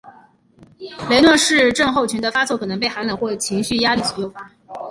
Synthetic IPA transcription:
le˧˥ɪnwɔ˥˧ʂɻ̩˥˧ʈ͡ʂɤ˥˧ŋxo˥˩ʊt͡ɕʰy˧˥d̪ə˧fa˥t͡swɔ˥˩kʰɤ˨˩nɤ˧˥ŋpe˥˩ɪxa˧˥nla˨˩˦xwɔ˥˩t͡ɕʰi˧˥ŋɕy˥˩ja˥li˥˩ɕɔ˨˩jo˥˩ʊfa˥

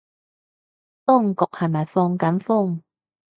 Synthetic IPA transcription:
t̪ʊ˥ŋkʊ˨˩k̚hɐ˨jmɐ˨jfɔː˧ŋkɐ˨˥nfʊ˥˩ŋ

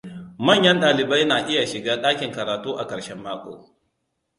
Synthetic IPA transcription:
mɐ˦˨ɲjɐ˦nɗaː˨lɪ˨bɐ˦jnaː˨ʔɪ˦ja˨ʃɪ˨ɡaː˦ɗaː˦kʲɪ˨ŋkɐ˨ɾaː˨tuː˦ʔa˨kʼɐ˨ʃɛ˦mːaː˦kʷʼo̰ː˨

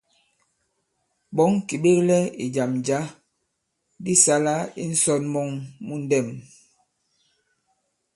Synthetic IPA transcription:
ɓɔ˨˦ŋki˨ɓe˦klɛ˦ḭ˨d͡ʒa˨md͡ʒa˨˦ | di˦sa˦la˦i˦n̩˦sɔ˦t̚mɔ˦ŋmu˦n̩˦dɛ˦˨m

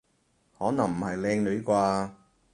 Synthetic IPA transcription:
hɔː˨˥nɐ˨˩ŋm̩˨˩hɐ˨jlɛː˧ŋnɵ˨˧˥jkʷaː˧

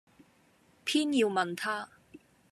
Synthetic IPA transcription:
pʰiː˥njiː˧wmɐ˨nt̪ʰaː˥

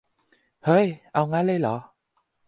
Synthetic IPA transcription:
həː˧˦jʔa˧wŋaː˧˥le˧jlɔ˨˦

